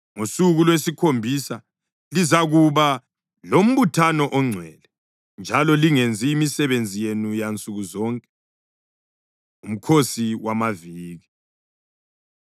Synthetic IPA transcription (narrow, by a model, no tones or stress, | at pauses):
ŋosuɣulwesikʰombʱisa | lizaɣuβa | lom̩βutʰanɔʔɔŋ͡ǀʱwɛlɛ | nd͡ʒʱalɔliŋend͡zʱiːmisɛβend͡zʱijenujant͡sʼuɣuzɔŋkʼɛ | um̩kʰosiwamaviːɣi